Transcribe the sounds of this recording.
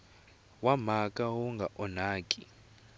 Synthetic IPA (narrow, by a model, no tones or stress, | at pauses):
wamakʼawuŋɡʱaʔɔnaːkʼi